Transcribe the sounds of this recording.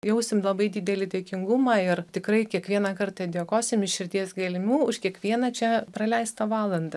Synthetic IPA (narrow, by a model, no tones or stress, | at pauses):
jɛʊsʲɪmlˠɐbɐɪd̪ʲɪːd̪ʲɛlʲɪt̪ʲeːkʲɪŋɡʊmɑːɪrt̪ʲɪkɾɐɪkʲiɛkʋʲiɛnɐkɐɾt̪ɐd̪ʲɛːkoːsʲɪmɪʃʃʲɪɾʲt̪ʲiɛsɡɐlʲɪmʲuːʊʃkʲiɛkʋʲiɛnɐt͡ʃʲɛprɐlʲɛɪst̪ɐʋɑːlˠɐnd̪ɐ